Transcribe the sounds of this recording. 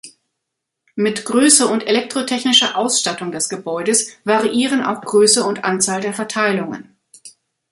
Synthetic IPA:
mɪtɡ̥ʁøːsəʊntelɛk̚tʁ̥otʰɛçnɪʃɐʔaʊsʃtatʊŋdɛsɡ̥əbɔʏdəsv̥aʁiʔiːʁənʔa̰ʊxɡ̥ʁøːsəʊntʔant͡saːldeːɐfɛɐtʰaɪlʊŋə̰n

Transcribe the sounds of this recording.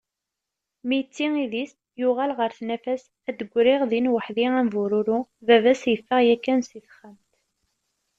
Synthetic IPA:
mijət͡sːiŋiðis | jʊʁælʁəɾθnæfæs | æd̪əɡʷːɾiʁðinwəħðiæmvuɾuɾuvævæsjəfːəʁjækːænsiθχəmt̪

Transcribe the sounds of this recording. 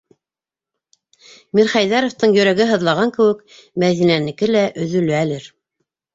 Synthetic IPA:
miɾχɑjðɑɾŏft̪ɤɴjɵ̆ɾæɡɘɦɤ̆ðlˠɑʁɑŋkɘ̆wɘk | mæðinænɘ̆kɘlæʔɵ̆ðɵ̆lɵælɘɾ

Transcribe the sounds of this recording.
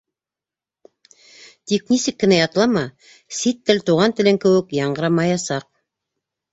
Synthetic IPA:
t̪ik̚nisɘkːɘ̆næjɑt̪ɤ̆lˠɑmɑ | sit̪ːɘlt̪uʁɑnt̪ɘ̆lɘŋkɘ̆wɘkjɑɴɢɤ̆ɾɑmɑjɑsɑq̚

